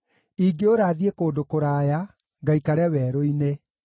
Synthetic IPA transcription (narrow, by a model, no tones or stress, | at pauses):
iɡeoɾaːðiekoːndokoɾaːja | ŋɡaikaɾeawɛːɾoine